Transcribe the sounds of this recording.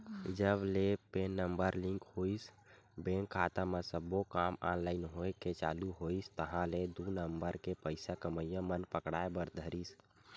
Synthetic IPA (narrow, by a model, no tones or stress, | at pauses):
d͡ʒəblepeːnːəmbəɾlɪ̃ŋkhoːis | beːŋkʰːaːt̪amẽsəbokaːmaːnlaːɪnɦoeket͡ʃa̰ːluɦoist̪əɦãled̪unəmbəɾkepəɪsakəməjãmənpəkɽa̰ːebəɾd̪ʱəɾis